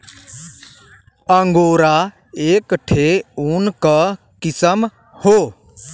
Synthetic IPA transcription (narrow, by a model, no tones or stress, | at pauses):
əŋɡoːɾa | eːkʈʰeuːnkə | kɪsəm | hoː